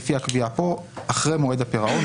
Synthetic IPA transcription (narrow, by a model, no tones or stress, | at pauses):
fiakbiapo̞aχʁemoed̪apeʁao